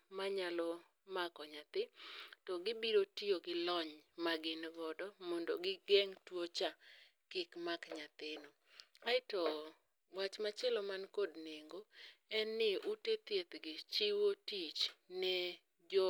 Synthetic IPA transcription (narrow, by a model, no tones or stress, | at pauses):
maɲalɔ | makɔɲat̪ɪtɔɡɪbiɾotioɡɪlɔɲmaɡɪnɡɔdɔmɔndoɡɪɡeŋtwot͡ʃa | kɪkmakɲat̪ɪno | aɪtɔ | wat͡ʃmat͡ʃɛlɔmankodneŋɡoɛnːɪʔutet̪jet̪ɡɪt͡ʃiwotit͡ʃnɛ | d͡ʒo